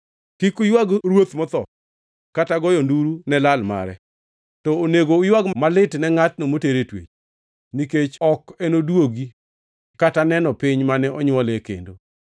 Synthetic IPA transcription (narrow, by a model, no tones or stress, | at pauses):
kikʊjwaɡɾwot̪mɔt̪ɔ | kataɡɔjɔnduɾunɛlalma̰ɾɛ̰ | tɔoneɡoːjwaɡmalɪtnɛŋat̚nomoteɾetwḛt͡ʃ | niket͡ʃɔkenodwoɡi | katanɛnɔpɪɲmanɛʔɔɲwɔlekḛndo